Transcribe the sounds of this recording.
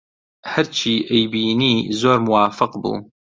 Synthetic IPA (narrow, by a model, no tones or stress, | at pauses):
həɾt͡ʃʰiːʔejbiːniːzoːɾmuwaːfɨqbṵː